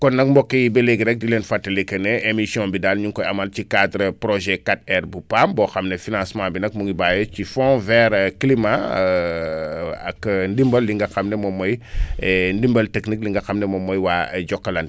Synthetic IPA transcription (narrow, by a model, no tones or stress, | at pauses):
kɔnːɐk̚mbɔkːijbeleɡɾɛk̚dilenfatːɐlekːɐneemisiɔ̃bidalɲuŋkɔjamalt͡ʃikadɾəpɾoʒɛkat̚ɛɾbupambɔxɐmnefinãsmãbinɐk̚muŋibajocifɔ̃vɛɾklima | ɐ̰kndimbɐlːiŋɡɐxɐmnemɔmːoj | ndimbəlteknikliŋɡɐxamnemɔmːojwaɟɔkːɐlan